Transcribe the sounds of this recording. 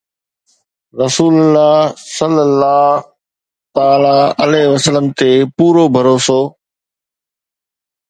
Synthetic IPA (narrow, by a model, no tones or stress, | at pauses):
ɾɐsuːləlːaːsəlːəlːaː | t̪aːlaəlɛːʋəsələmt̪eːpuːɾoːbʱəɾoːsoː